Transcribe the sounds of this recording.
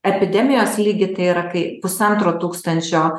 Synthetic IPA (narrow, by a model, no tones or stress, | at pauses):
ɛpʲɪd̪ʲɛmʲɪjoːslʲiːɡʲɪt̪ɐɪiːɾɐkɐɪpʊsɐnt̪ɾoːt̪uːkst̪ɐnʲt͡ʃʲoː